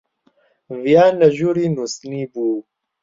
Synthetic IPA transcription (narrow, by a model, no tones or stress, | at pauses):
vjaːnɐʒuɾinusnibu